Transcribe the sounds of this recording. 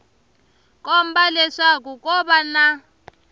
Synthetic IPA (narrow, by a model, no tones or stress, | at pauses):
kɔm̩balɛʂak̬ukɔɓana